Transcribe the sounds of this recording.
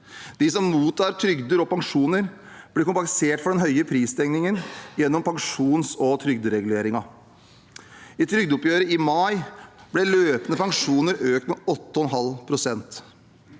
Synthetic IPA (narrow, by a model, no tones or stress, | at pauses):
d̪̥isɔmmuːt̪ʰːɑːɾʈ̪ʰɾʏɡd̪əɾɔpɑŋʂuːnəɾ | b̥lɪɾkʊmpɑŋseːʈfɔɖɛnɦœʏəpʰɾiːst̪ʰɛŋnɪŋənjɛnːɔmpʰɑŋʂuːnsɔt̪ʰɾʏɡd̪əɾɛɡʉleːɾɪŋɑ | ɪt̪ʰɾʏɡd̪ʊpjøːɾəɪmɑɪb̥lɛløːpənəpɑŋʂuːnəɾøːk̚t̪mɛɔt̪ːəɔɛnɦɑlpʰɾʊsɛnt̪